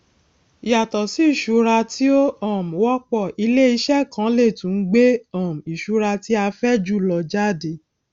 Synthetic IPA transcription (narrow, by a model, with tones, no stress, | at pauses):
i˨ja˨tɔ˨si˨˦i˦˨ʃu˨˧˦ɾa˧ti˦o˦ɔ̃˦˨m̩˨wɔ˦k͡pɔ˦˨ʔi˧le˦i˧ʃɛ˦˨kã˨˦le˦˨tũ˨˦n̩˦ɡ͡be˦ɔ̃˦˨m˨i˨ʃu˨˦ɾa˧ti˦a˧fɛ˦d͡ʒu˦˨lɔ˨d͡ʒa˦˨de˨